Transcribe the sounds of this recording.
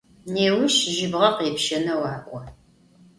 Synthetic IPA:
neːwʊʃʒɪbʁɐqeːpʃɐnɐwɑːʔʷɔ

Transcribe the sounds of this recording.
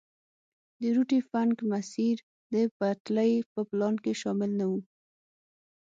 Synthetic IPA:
d̪əɾuʈifankmasiɾ | d̪əpat̪ləjpəplɑnkeʃɑmɪlnawu

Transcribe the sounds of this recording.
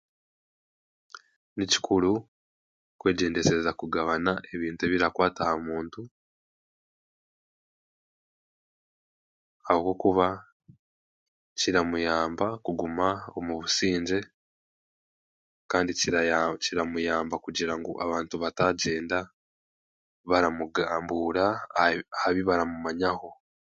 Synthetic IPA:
nici̥kʰuɾu | kwe̞ːɟe̞ːnde̞sezakuɡaβanaʔe̞βiːntue̞βiɾakwaːtahamuːntu | ahoko̞ːkuβa | ciɾamujaːmbakuɡumao̞muβusiːɲɟe̞ | kaːndiciciɾamujaːmbakuɟiɾaŋɡo̰ʔa̰βaːntuβataɟe̞ːnda | βaɾamuɡaːmbuːɾa | haβiβaɾamumaɲaho̞

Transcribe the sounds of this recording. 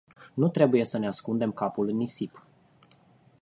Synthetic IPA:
nut̪ɾe̞buje̞səneaskund̪e̞mkapulɨnːisip

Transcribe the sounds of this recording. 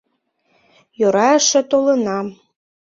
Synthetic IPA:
joɾɑə̆ʃĕt̪olɤ̆nɑm

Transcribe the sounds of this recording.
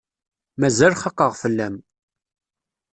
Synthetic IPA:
mæzælχɑqːəʁfəlːæm

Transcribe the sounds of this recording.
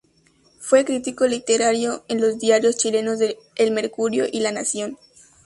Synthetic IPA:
fwe̞kɾit̪iko̞lit̪eɾaɾjo̞enlo̞zd̪jaɾjo̞st͡ʃile̞no̞zðe | elme̞ɾkuɾjo̞ʔilanasjo̞n

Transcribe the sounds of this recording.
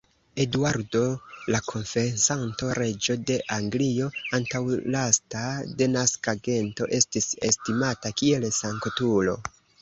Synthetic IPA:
e̞dwaɾdo̞lakʰo̞nfe̞ensanto̞ɾe̞d͡ʒo̞de̞ʔaŋɡlio̞antawlastade̞naskaɡe̞nto̞̰ʔe̞stise̞stimatakie̞lsaŋkotulo̞̰

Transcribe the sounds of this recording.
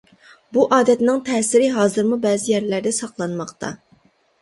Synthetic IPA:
buʔɑːd̪ɛt̪nɪŋt̪ʰɛːsɪɾɪɦɑːzɨɾmubɛːzɪjɛɾlæɾd̪ɛsɑqlˠɑnmɑqt̪ʰɑ̰

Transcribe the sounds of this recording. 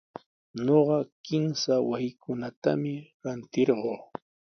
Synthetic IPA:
ɲoɢɑkɪmsawasɪkʊnat̪a̰mɪɾant̪ɪɾɢoː

